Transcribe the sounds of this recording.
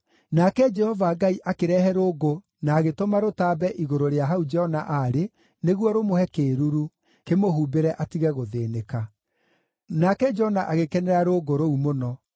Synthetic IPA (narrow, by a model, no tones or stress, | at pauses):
nakɛd͡ʒɛhɔvaɡaiʔakeɾɛɦɛɾoːɡo | naːɣetomaɾotaːbɛʔiɣoɾoɾeaɦaud͡ʒɛhɔnaʔaɾe | neɣwɔɾomohɛkeɾuɾu | kemohuːbeɾɛʔatiɣɛɣoðeːneka | nakɛd͡ʒɔnaʔaɣekɛnɛɾaɾoɡoɾoumonɔ